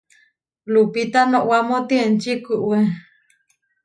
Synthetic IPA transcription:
lupit̪anõʔwamõt̪ient͡ʃikuʔwe

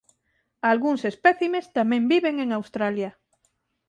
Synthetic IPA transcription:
alɣuŋsespɛθimest̪amɛ̃mbiβeŋeŋawst̪ɾalja

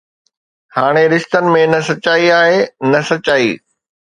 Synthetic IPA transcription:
haːɽ̃eɾɪʃt̪ənɪ̆mẽnɐsɐt͡ɕaːiaːɦenɐsɐt͡ɕaːḭː

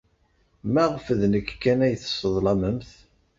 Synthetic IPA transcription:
mæʁfəðnəkːkːænæjθə̥sˤəðˤlɑməmθ

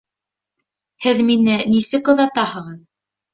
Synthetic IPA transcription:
hɘðminɘnisɘkɤ̆ðɑt̪ɑhɤ̆ʁɤð

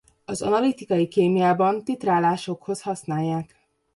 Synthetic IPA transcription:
ɒzɒ̰nɒlit̪ikɒjikeːmijaːbɒnt̪it̪raːlaːʃo̞kho̞shɒsnaːjːaːk

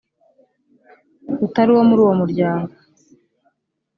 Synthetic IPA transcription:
utaɾiwo̞muɾuːwo̞muɾɟaːŋɡo

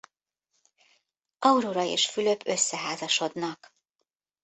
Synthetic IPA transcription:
ɒuɾoːɾɒḛːʃfylø̞pʰø̞sːɛɦaːzɒʃo̞d̪nɒk

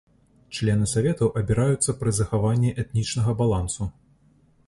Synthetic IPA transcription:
t͡ʂlʲɛn̪ɨsavʲɛt̪ɐwʔɐbʲiɾajut̪sːɐpɾɨzɐxavanʲːiʔɛt̪nʲit͡ʂnɐɣɐbalˠansu

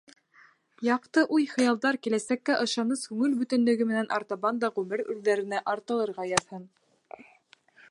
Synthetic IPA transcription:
jɑqt̪ɤʔujχɤ̆jɑlˠd̪ɑɾkilæsækːæʔɤ̆ʃɑnɤskʉŋɘlbʉt̪ɘ̆nd̪ɘ̆ɡɘmɘ̆nænʔɑ̰ɾt̪ɑβɑnd̪ɑʁʉmɘɾʉ̰ɾðæɾɘ̆næʔɑɾt̪ɤ̆lˠɤ̆ɾʁɑjɑðhɤn

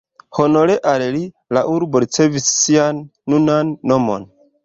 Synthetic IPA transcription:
ho̞no̞ɾeʔalli | laʔuɾbo̞ɾit͡se̞visːianːunanːo̞mo̞̰n

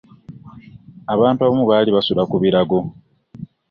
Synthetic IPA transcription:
aβaːntuaβamuβaːliβasulakuβiɾaɡo̞

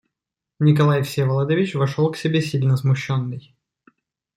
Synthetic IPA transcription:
nʲɪkɐlˠajfsʲevɐlˠad̪əvʲɪt͡ɕvɐʂolˠksʲɪbʲesʲilʲnəzmʊɕːonːɨj

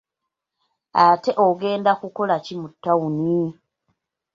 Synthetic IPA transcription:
ate̞ʔoɡe̞ːndakuko̞lacimutːawuni

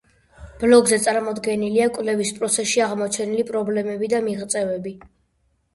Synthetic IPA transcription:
b̥lɔɡzɛt̪sʼaɾmɔd̪ɡɛniliakʼvlɛvispʼɾɔt̪sʰɛsʃiaʁmɔt͡ʃʰɛnilipʼɾɔblɛmɛbid̪amiʁt̪sʼɛvɛbi

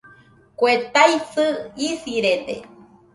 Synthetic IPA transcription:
kʷet̪aisɨisiɾed̪ḛ

